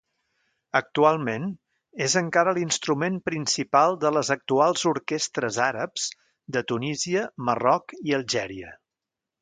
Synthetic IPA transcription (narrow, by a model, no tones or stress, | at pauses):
ək̚t̪ualˠmen | ezəŋkaɾəlinst̪ɾumempɾinsipalˠd̪ələzək̚t̪ualˠzuɾkest̪ɾəzaɾəpz̥ | d̪ət̪uniziəmərɔkiəlˠʒɛɾiə̰